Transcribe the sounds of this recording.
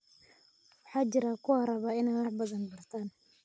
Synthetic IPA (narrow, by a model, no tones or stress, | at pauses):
wɑħɑːt͡ʃɪɾakʰʊɐɾɐβaːɪnaːwɑħbɐðɐnbɐrt̪ʰaːn